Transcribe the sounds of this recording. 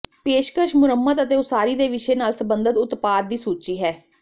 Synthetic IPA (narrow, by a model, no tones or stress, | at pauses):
peːʃkəʃmʊɾəmːət̪ət̪eːʊsaːɾiːd̪eːʋɪʃeːnaːlsəbənd̪ət̪ʊt̪paːd̪̚ːiːsuːt͡ʃiːɦɛː